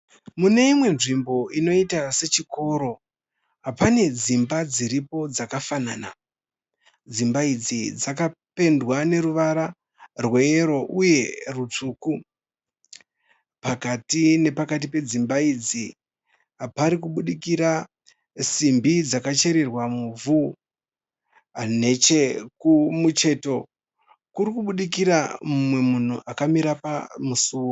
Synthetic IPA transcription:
mune̞imwe̞nʐimbo̞ino̞itase̞t͡ʃiko̞ɾo̞ | ɦapane̞d͡zimbad͡ziɾipo̞d͡zakafanana | d͡zimbaid͡zid͡zakape̞ndwane̞ɾuʋaɾa | rwe̞ːɾo̞ʔuje̞rut͡suːku | pakatine̞pakat̬ipe̞d͡zimbaid͡zi | apaɾikuɓuɗikiɾa | simbid͡zakat͡ʃe̞ɾe̞rwamuvu | ane̞t͡ʃekumut͡ʃe̞ːto̞ | kurikuɓuɗik̬iɾamumwe̞mun̤uʔakamiɾapamusuːwo

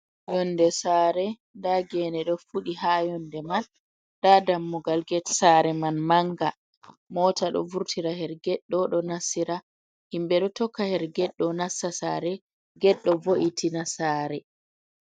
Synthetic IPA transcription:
jɔndɛsaɾɛ | ndaɡɛnɛɗɔfuɗihajɔndɛman | dadamːɔɡalɡɛtsaɾɛmanmaŋɡa | mɔːtaɗɔ̰vuɾtʰiɾahɛɾɡɛɗːɔɗɔnasiɾa | himbɛɗɔtɔkːahɛɾɡɛɗːɔnasːasaɾɛ | ɡɛɗːɔvoʔitʰinasaɾɛ

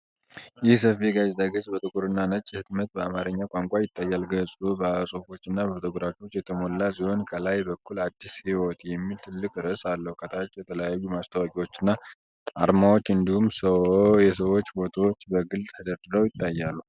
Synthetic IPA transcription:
jɪhs̬əfiɡazd̪aɡəzʼbət̪ʼɨɡʼuɾɨnːanət͡ʃʼːhɨt̪mət̪̚bəamaɾəɲːakʷʼaŋkʷʼajɪt̪ʼːajːalɡəsʼubəsʼofo̞t͡ʃːɪnːabəft̪ʰɨɡʼuɾat͡ʃot͡ʃːjɛt̪ʰəmolːasiho̞nkʰəlajbəkʰːulad̪ːishiwɔt̪jɛmːilt̪ʰɨlːɨkʼɾəsalːəhukʰət̪ʰat͡ʃʼːjɛt̪ʰələjajːumast̪ʰawakʼiwo̞t͡ʃːɪnːa | ʔa̰ɾmawot͡ʃːɨnd̪ihumsəjɛs̬əwot͡ʃːbot̪ʰawot͡ʃːbəɡɨlt̪ʰəd̪əɾd̪ɨɾəwjɪt̪ʰʼːajːalːu

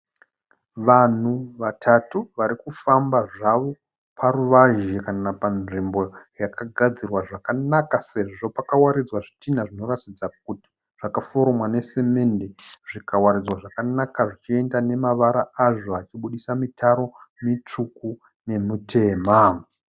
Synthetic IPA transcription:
ʋan̤uʋatʰatuʋaɾikufambaʐaʋo̞ | pʰaɾuʋaʒekanapanʐimbo̞jakaɡʱad͡zirwaʐakanakase̞ʐʐo̞pakawaɾid͡zwaʐitinaʐino̞ratid͡zak̚uti̥ | ʐ̥akafoɾomwane̞se̞me̞nde̞ʐikawaɾid͡zwaʐakanakaʐit͡ʃie̞ndane̞maʋaɾaaʐo̞at͡ʃiɓuɗisamitʰaɾo̞mit͡ʂuku | ne̞mutʰe̞ːma

